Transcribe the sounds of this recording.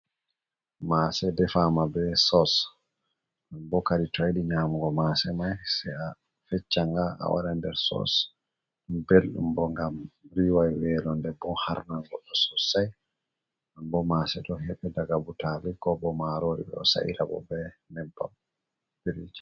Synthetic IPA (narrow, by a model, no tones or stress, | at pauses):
masɛdɛfamabɛsɔs | abɔkaɾitɔjdiɲamuɡɔmasɛmajsɛa | fɛt͡ʃːaŋɡaʔa̰wa̰ɗandɛɾsɔ̰s | belɗṵmbɔŋɡamɾiwajwɛːlɔndɛbɔha̰ɾnaŋɡɔɗɔsɔsaj | ambɔmasɛɗɔhɛɓɛdaɡabutalikɔbɔmaɾoɾḭbɛ̰ɔsa̰ʔḭɾabɔ̰bɛnɛmpːa̰ | biɾid͡ʒi